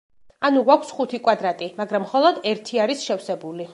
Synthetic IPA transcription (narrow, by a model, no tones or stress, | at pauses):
anuɡwakʷʰsχut̪ʰikʼwad̪ɾat̪ʼimaɡɾamːχɔlˠɔd̪ɛɾt̪ʰiaɾisʃɛfsɛbuli